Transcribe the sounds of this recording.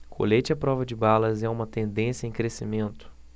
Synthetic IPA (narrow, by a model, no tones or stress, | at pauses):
kʰo̰let͡ʃɪɐpɾɔvɐd͡ʒɪbalɐzɛũmɐt̪ẽnd̪ẽsjɐẽj̃kɾesimẽnt̪ʊ̥